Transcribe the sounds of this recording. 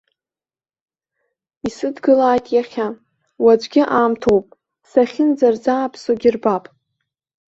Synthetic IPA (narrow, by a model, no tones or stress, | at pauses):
isɨdɡɨlaːjtʼjaχʲa | wad͡ʒʷɡʲɪʔaːmtʰowpʼ | saχʲɪnd͡zard͡zaːpʰsoɡʲɪrbapʼ